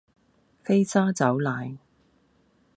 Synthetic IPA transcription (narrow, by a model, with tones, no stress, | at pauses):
fe˥jsaː˥t͡sɐ˨˥wlaː˨˧j